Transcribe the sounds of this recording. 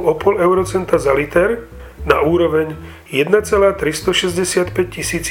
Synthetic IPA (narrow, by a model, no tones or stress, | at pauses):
ɔpɔlɛʊɾɔt͡sɛnt̪azalit̪ɛɾ | nauːɾɔʋɛɲ | jɛd̪nat͡sɛlaːt̪ɾist̪ɔʃɛzɟɛsɪat̪pɛc̚cisiːt͡s